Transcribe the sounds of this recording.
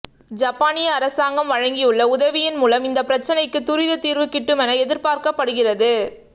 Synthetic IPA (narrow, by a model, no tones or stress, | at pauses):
d͡ʒɐpːaːnɪjɐːɾɐsaːŋɡɐmʋɐɻɐŋɡijɯɭːɐʊðɐʋɪjɪnmuːlɐmɪnd̪ɐpɪɾɐt͡ʃːɐnɐɪkːɯt̪ʊɾɪðɐt̪iːɾʋɯkːɪʈːɯmɛnɐɛðɪɾpaːɾkɐpːɐɽɯɣɪrɐðɯ